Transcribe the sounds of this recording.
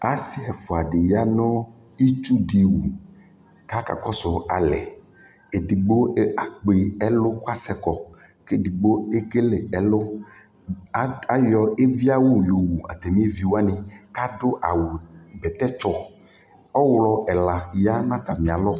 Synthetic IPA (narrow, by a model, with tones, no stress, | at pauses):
a˦sɪ˦ɛ˨fʊ˨a˨ɖɪ˨ja˦nɔ˦ | i˦t͡ʃu˦di˨wu˨ | ka˦ka̰˨kɔ˦sʊ˨a˨lɛ̰˨ | e˨di˨ɡ͡bo˦a˨k͡pe˨ɛ˦lʊ˦ka˦sɛ˨kɔ˨ | ke˦di˨ɡ͡bo˦e˦ɡe˦le˨ɛ˨lʊ˦ | a˦jɔ˨e˦vi˦a˦wo˦jo˨wu˨a̰˨t̪ɛ˨m˦e˦vi˨wo˦a˦nɪ̃˨ka˦dʊ˦ʔa˨wo˨bɛ˨t̪ɛ˦t͡ʃɔ˦ | ɔ˦wlɔ˦ɛ˨la˨ja˦nã˦t̪a˨mĩ˨a˨lɔ˦